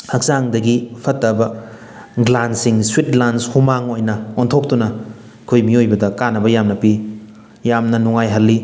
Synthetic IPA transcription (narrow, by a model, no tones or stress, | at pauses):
hɐk̚zaŋdɐɡipʰɐtːɐbɐ | ɡlansiŋswitlanshumaŋojnɐontʰok̚tunɐ | kʰojmiojbɐdɐkanɐbɐjamnɐpi | jamnɐnuŋajɦɐlːi